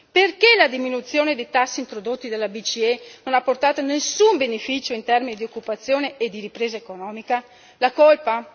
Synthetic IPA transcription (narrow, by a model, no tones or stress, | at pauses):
perkelad̪iminut̪sjoːned̪ejt̪asːiːnt̪ɾod̪ot̪ːid̪alːabit͡ʃienonapːort̪aːt̪onesːumbenefit͡ʃoint̪ɛrminid̪iokːupat̪sːjoːneːd̪ːiɾipɾeːzaekonɔːmika | lakolpa